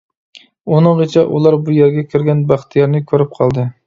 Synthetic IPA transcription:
unɨŋʁət͡ʃʰɛʔulˠɑɾbujeɾɡʲɛkʲʰiɾɡʲɛnbæχt̪ʰijɑɾnɪkʲʰøɾyp̚qʰɑlˠd̪ɨ

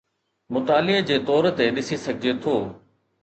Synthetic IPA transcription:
mʊt̪aːlɪd͡ʑeːt̪ɔːɾt̪eɗɪsisɐɡʱɪd͡ʑet̪ʰoː

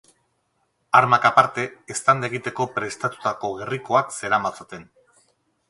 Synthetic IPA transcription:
aɾmakapaɾt̪e̞ːst̪and̪eɣit̪e̞ko̞pɾe̞st̪at̪u̥t̪ako̞ɣe̞riko̞akse̞ɾamat͡sot̪e̞n

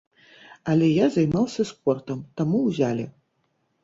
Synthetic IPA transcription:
alʲɛjazajmawsʲɐspɔrt̪ɐmt̪amuwzʲalʲɛ

